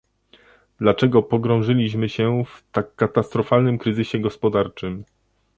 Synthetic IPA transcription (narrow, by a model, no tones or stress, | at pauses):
d̪̥lat͡ʂɛɡɔpɔɡɾɔ̃w̃ʐɘlʲiɕmɘɕɛft̪akːat̪ast̪ɾɔfalnɘmkɾɘzɘɕɛɡɔspɔd̪aɾt͡ʂɘm